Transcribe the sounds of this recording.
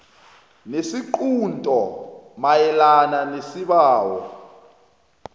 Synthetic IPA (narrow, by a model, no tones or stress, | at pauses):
nesiǃuntʼɔmajɛlananesiɓaːwɔ̰